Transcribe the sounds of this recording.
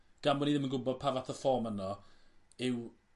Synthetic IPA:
ɡ̥amwɛniðɪmənɡʊbɔd̥̚pʰaːvaθʰəfɔːmənɔ | ɪw

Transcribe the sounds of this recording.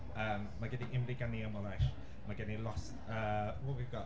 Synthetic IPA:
əːmːaɡɛdiɪmriɡaniəmɔlajʃ | maɡɛnilˠɔs | əːwɔwivɡɔ

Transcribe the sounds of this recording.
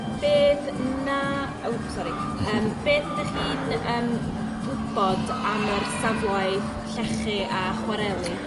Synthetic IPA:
b̥eːð | na | owsɔɾi | əːmb̥eːðdaχiːdəːm | ɡʊb̥ɔdamərsavlaj | ɬɛχiʔaχwɛɾɛlˠi

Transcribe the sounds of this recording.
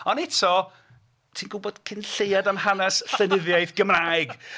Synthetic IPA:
ɔnɛtʰɔ | tʰiːnɡʊbɔd̥kʰɪnɬejadamhanɛsɬənɪðjajθɡ̥əmrajɡ

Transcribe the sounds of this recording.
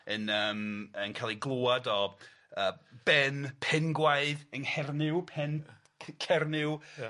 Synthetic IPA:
ənəːmənkʰalˠiɡlˠoːadɔ | əːb̥ɛnpʰɛnɡwaɨðəŋhɛrnɪwpʰɛnʰ | kʰɛrnɪw

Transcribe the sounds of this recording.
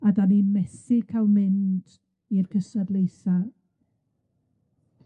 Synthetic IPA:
adanimɛsɪkʰalˠmɪnd | irkʰəsɔdlˠejsa

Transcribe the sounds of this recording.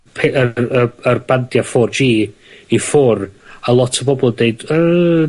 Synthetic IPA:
pʰeʔəəərbantjafɔrd͡ʒiː | ifʊralˠɔtʰəbɔbɔlˠdeɨdə

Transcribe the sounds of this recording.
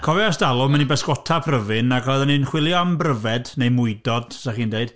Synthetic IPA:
kʰɔvɛasd̥alˠʊmɛnibɛskɔtʰapʰrəvɨnaɡɔjðanɨnχwɪlˠjɔambrəvɛdnejmʊɨdɔd̥̚saχiːndeɨd̥

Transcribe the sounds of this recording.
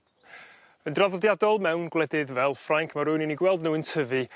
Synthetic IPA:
əndraðɔdjadɔlˠmɛwnɡlˠɛdɨðvɛlˠfraŋkʰmaɾʊːniniɡwɛlˠdnuːəntʰəvɨ

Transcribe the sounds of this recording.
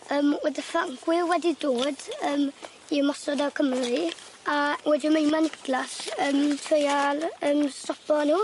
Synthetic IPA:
əːmwɛdəfaŋɡ̥wɪwɛdidoːdəːm | iəmɔsɔdakʰəmri | awɛdɪmejmanɪdlasəːmtʰrəjalˠəːmstɔpɔnuː

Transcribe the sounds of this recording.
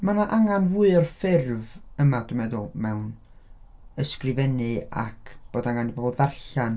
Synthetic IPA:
manaʔaŋanvuɨɔrfɪrvəmadʊmɛðʊlˠmɛwn | əskrɨvɛnɨa̰kʰb̥oːdaŋandibobɔlˠðarɬan

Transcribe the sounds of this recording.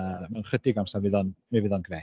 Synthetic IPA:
manχədɪɡamsavɪðɔnmɪvɨðɔnɡrɛː

